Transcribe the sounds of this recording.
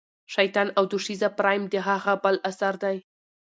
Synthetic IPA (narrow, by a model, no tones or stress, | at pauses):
ʃajt̪ɑnawd̪uʂizapɾɑjmd̪əɦaɣabəlasaɾd̪aj